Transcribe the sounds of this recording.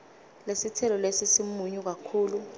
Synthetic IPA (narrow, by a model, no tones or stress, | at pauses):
lesitʰɛlɔlesisimuɲuk̬akʰuːlu